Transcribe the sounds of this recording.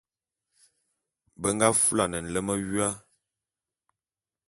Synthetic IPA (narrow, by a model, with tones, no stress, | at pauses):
bə˦ŋɡa˦fu˦la˨nə˨n̩˨lə˦mə˦ɥɥa˦